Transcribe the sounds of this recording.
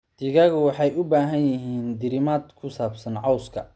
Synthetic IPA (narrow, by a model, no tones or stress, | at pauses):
d̪̥ɪɣɐɣʊwɑħɑjʊbaːɦɐnjɪɦiːnd̪ɪɾɪmaːd̪kʰʊsaːbsɐnʕɑwskʰɐ